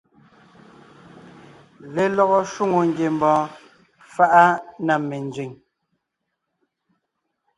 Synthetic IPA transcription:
le˨lɔ˦ɣɔ˦ʃwu˦ŋo˨ŋ˨ɡje˨m˨bɔ̃ː˨˦ | fa˦ʔa˦na˨me˨nd͡zɥi˨ŋ

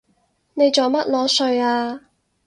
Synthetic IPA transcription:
ne˨˧jt͡sɔː˨˧wmɐ˥t̚lɔː˨˥sɵ˧ɥaː˧

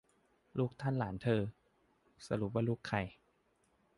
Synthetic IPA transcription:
luː˥˩k̚t̪ʰa˥˨nlaː˩˦nt̪ʰɤː˧ | sa˧lu˨˦p̚waː˧˥˩luː˥˩kʰːa˧˩j

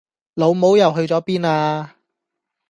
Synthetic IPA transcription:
lo˨˧wmo˨˥wjɐ˨˩wɦɵ˧ɥt͡sɔː˨˥piː˥naː˧

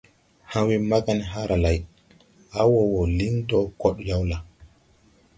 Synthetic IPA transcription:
hã˦wi˦ma˦ɡa˦n˦ɦa˦ɾʔa˨la˨j | a˦wɔ˨wɔ˨li˦ntɔ˦kɔ˦ɗja˦wla˨

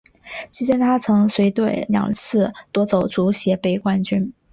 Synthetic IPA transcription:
t͡ɕi˥t͡ɕjɛ˥nt̪ʰa˥t͡sʰɤ˧˥ŋswe˧˥ɪt̪we˥˩ɪljɑ̰˨˩ŋt͡sʰɹ̩˥˩t̪wɔ˥t͡so˨˩ʊt͡su˧˥ɕjɛ˧˥pe˧˩ɪkwa˥nt͡ɕy˥n

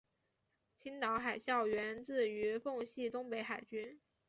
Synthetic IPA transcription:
t͡ɕʰi˥nt̪ɑ˧˥ʊxa˨˩ɪɕjɑ˥˩ʊɥɛ˧˥nt͡sɹ̩˥˩y˧˥fʊ˥˧ŋɕi˥˩t̪ʊ˥ŋpe˧˥ɪxa˨˩ɪt͡ɕy˥n

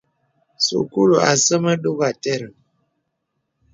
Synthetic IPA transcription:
so̰˨ku˦lo˨a˨sə˦mə˦ɗo˦ɣa˨tɛ˦ɾə˨

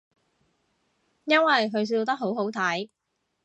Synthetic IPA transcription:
jɐ˥nwɐ˨jɦɵ˨˧ɥs̬iː˧wt̪ɐ˥k̚ɦo˨˥wɦo˨˥wt̪ʰɐ˨˥j

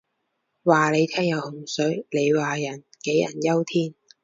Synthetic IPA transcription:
waː˨le˨˧jt̪ʰɛː˥ŋjɐ˨˧whʊ˨˩ŋsɵ˨˥ɥle˨˧jwaː˨jɐ˨˩nke˨˥jɐ̰˨˩njɐ˥wt̪ʰiː˥n

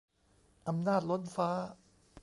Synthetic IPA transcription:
ʔa˧mnaː˥˩t̪̚lo˦˥nfaː˦˥

